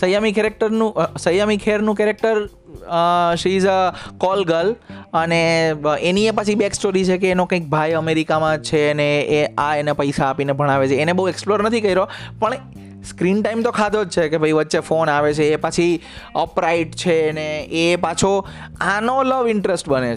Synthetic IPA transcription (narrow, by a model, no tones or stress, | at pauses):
səjamikɛɾek̚ʈəɾnũsəjamikʰeɾnũkɛɾek̚ʈəɾ | ʃiːd͡ʒkɔlɡələneeniep̬ət͡ʃʰibeksʈoɾit͡ʃʰekeːnokə̃ik̚bʱajəmeɾikamãt͡ʃʰeəneeaenepəjsaːpinebʱəɽ̃aʋet͡ʃʰeːnebəɦueksploɾnət̪ʰikəiɾopəɳ | skɾiɳʈaimt̪okʰad̪od͡ʒt͡ʃʰekebʱəiʋətːʃefonaʋet͡ʃʰeːpət͡ʃʰi | əpɾaiʈt͡ʃʰeneːpat͡ʃʰo | anoləʋɪɳʈɾesʈbənet͡ʃ